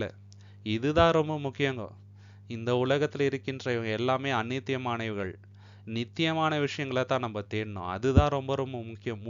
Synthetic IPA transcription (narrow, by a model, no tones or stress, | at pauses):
lɐ̰ | ɪðɯt̪ãːɾɔmbɐmʊkːɪjɐŋɡɐ̰ | ɪnd̪ɐʊɭɐɣɐt̪ːɪlɐɪɾɯkːɪndrɐɪʋɐŋɡɐɛlːaːmeːɐnːɪt̪ːɪjɐmaːnɐɪʋɣɐɭ | nɪt̪ːɪjɐmaːnɐʋɪʂɐjɐŋɡɐɭɐt̪ãːnɐmbɐt̪eːɾnõ̰ːɐ̰ðɯt̪ãːɾɔmbɐɾɔmbɐmʊkːɪjɐm